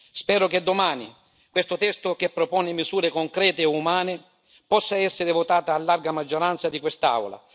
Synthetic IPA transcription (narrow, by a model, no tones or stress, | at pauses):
spɛːɾʊked̪ːomaːni | kwest̪ʊt̪ɛst̪ʊkepːɾopɔːnɪmizuːɾekoŋkɾɛːt̪ɪumaːnɪ | pɔsːaɛsːɪɾɪvʊt̪aːt̪aːlːarɡamad͡ʒːoɾant̪sad̪ikwest̪aa̰wla̰